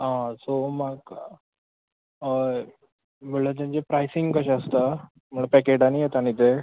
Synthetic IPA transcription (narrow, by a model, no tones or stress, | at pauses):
ɦãsomaɡ | meɭət̪̬ãnt͡ɕepɾajsiŋɡkəɕaəst̪a | m̤əɳpɛkeʈanijet̪aɽ̃it̪e